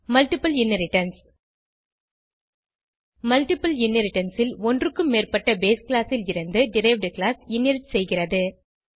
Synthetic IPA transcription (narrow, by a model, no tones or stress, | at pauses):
mɐlʈɪpɐljɪnːɐɾɪʈːɐns | mɐlʈɪpːɐljɪnːɐɾɪʈːɐnsɪlɔndrɯkːɯmːeːrpɐʈːɐbeːsklaːsɪlɪɾɐnd̪ɯɖɪɾɐɪʋɖklaːsjɪnːɐɾɪʈsɛjɣɪrɐðɯ